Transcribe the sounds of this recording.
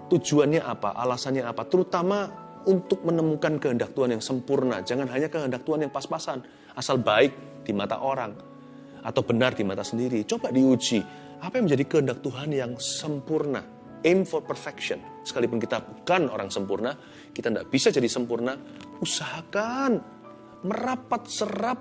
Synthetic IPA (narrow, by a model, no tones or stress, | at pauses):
t̪ud͡ʒuanɲaʔapa̰ʔa̰lasanɲaːpat̪əɾut̪ama | unt̪ʊk̚mənəmukankəɦəndak̚t̪uɦanjaŋsəmpurna̰d͡ʒaŋanɦaɲakəɦəndak̚t̪uɦanjaŋpaspasan | asalbaɪk̚ | d̥imat̪a̰ʔoɾaŋ | at̪awbənardimat̪asəndiɾit͡ʃobadiud͡ʒi | apajãŋmə̃ɲd͡ʒadikəɦəndak̚t̪uɦanjaŋsəmpurna̰ | emfɔrpərfɛkʃɔn | sə̥kalipʊnkit̪abukanoɾaŋsəmpurna | kit̪andaʔb̥isad͡ʒadisəmpurna | usaɦakan | məɾapat̪̚sərap̚